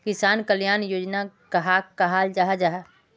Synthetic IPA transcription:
kɪsaːnkəljaːnjoːd͡ʒnakɐɦaːkaɦaːld͡ʒaɦad͡ʒaːɦa

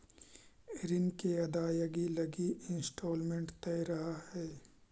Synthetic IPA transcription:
ɾɪnkeɐd̪aːjɐɡilɐɡiɪnsʈoːlmẽɳʈt̪ɛːɾɐɦahɛː

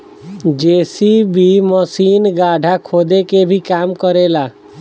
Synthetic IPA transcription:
d͡ʒeːsibʱiməsiːnɡaːɖʱakʰoːd̪ekebʱikaːmkəɾeːlaː

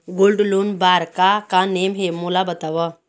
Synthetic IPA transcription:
ɡolɖlonbaɾkakãnemɦemulabət̪aʋə

